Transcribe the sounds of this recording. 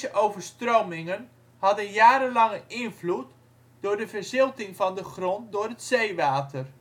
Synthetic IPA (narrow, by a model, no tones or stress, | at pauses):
səʔowvəɹstrowmɪŋən | hɑdənjaːɾənlɑŋəʔɪnvlut | d̥ʊːɹdəvəɹzɪlˠtɪŋvɑndəχrɔndʊːɹɦətsejʋaːtʰər